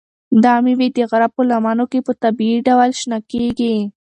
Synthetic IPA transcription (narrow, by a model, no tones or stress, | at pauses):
d̪ɑmiwed̪əɣaɾab̚pəlamɑnokepət̪abiiɖawalʃnakeɡi